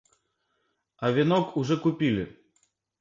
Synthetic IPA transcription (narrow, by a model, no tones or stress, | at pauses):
ɐvʲinɔkuʐɛkupʲilʲi